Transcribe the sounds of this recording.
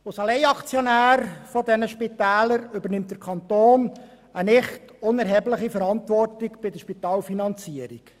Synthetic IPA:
ʊsɑlɛɪɑkt͡sjɔnæːɾfɔdɛnəʃpitæːləɾʏbəɾnɪmtdəɾkʰɑnt̪oːn | ənɪχtʊnɛɾɦɛblɪχifəɾɑntʋɔrtɪkb̥ɪdəʃpitɑːlfinɑnt͡siəɾḭk

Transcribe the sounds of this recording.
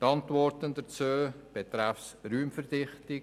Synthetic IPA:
tɑntvɔɾtəndət͡søː | b̥et̪ɾafsryːmfɛɾdɪχtɪ

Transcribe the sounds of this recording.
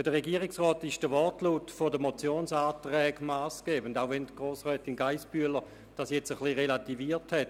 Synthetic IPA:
əd̥əʁeɡiəʁɪksʁɔːtɪʃd̥əʋɔʁtluːtfodəmot͡sjoːnsaːtʁɛːɡmaːsɡ̥ɛːbən̩daʊvɛntɡ̥ʁoːsʁɛːtinɡaɪsb̥yələ | d̥ɑsjɛt͡səχliʁelativiːthɛt

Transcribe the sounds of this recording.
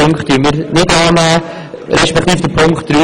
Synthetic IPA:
ʊŋkχt̚ːyːnmiːɾnɪdɑːnæː | ɾɛʃpɛkχt̪iːfd̥əpʰʊŋkt̚ːɾyː

